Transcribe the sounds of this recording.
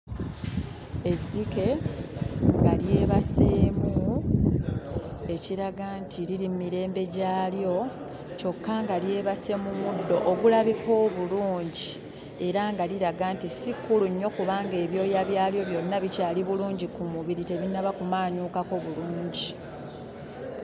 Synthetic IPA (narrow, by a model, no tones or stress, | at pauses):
e̞zːike̞ | ŋɡaljeːβaseːmu | e̞ciɾaɡaːntʰiɾiɾimmiɾe̞ːmbe̞ɟaːljo̞ | co̞kːaŋɡalje̞ːβase̞mumudːo̞ʔoɡulaβiko̞ːβuluːɲɟi | e̞ɾaŋɡaliɾaɡaːntisikːuluɲːo̞kuβaːŋɡe̞ːβjo̞ːjaβjaːljo̞βjo̞nːaβicaːliβuluːɲɟikumuβiɾite̞βinːaβakumaːɲuːkako̞βuluːɲɟi